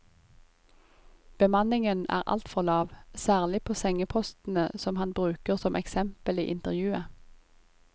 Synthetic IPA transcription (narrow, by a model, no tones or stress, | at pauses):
b̥əmɑnɪŋənæ̰ːʁʔɑ̰lt̪fɔʁlɑːʋsæːʁlɪpʰoːsɛŋəpʰɔst̪n̩əsɔmhɑnbʁʉːkəʁsɔmʔɛksɛmpəlḭːʔɪnt̪əʁjʉːə